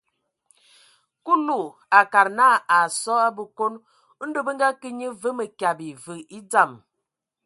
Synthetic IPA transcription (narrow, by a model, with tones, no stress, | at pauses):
ku˦lu˨ | a˨ka˨ɾna˦a˨sɔ˦a˦bə˨ko˦n̩˦ | do˦bə˦ŋ˦ɡa˦kə˦ɲə˦və˦mə˨kja˨bi˨və˨i˦d͡za˦˨m